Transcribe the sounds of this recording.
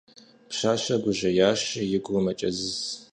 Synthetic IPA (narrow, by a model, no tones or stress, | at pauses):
pɕaːɕɐɡʷʊʑɐjaːʃɪjɪɡʷʊmɐt͡ʃʼɐzɨz